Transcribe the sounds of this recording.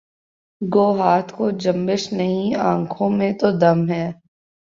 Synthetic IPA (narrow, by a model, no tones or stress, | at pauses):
ɡoːɦaːt̪ʰkod͡ʒɐ̃mbɪʃnɐɦĩãːkʰõmẽt̪od̪ɐmɦɛː